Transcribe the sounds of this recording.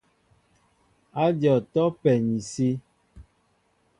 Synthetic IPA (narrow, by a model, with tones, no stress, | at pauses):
a˦djɔ˨tɔ˦pɛ˨ɲi˨si˦